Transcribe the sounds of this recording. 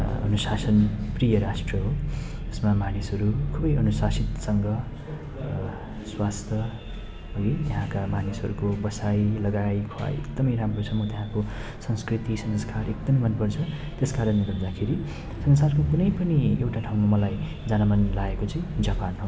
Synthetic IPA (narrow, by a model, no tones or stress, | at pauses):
ʌ̰nusasʌnprijʌɾasʈrʌɦoʌsmamanisʌɾukʰubʌjʌnusasit̪sʌŋɡʌ | swast̪ʰʌ | ɦʌit̪aɦãkamanisɦʌɾukobʌsajlʌɡajkʰoa̰jekd̪ʌmʌjɾamrot͡sʰʌmʌt̪jaɦãkosʌŋskrit̪isʌnskarekd̪ʌmmʌnpʌrt͡sʰʌ | t̪eskaɾʌnːeɡʌɾd̪akʰeɾi | sʌnsarkokunʌjpʌniewʈaʈʰaw̃mamʌlaj | d͡zanʌmʌnlaekot͡sʌĩd͡zapanɦo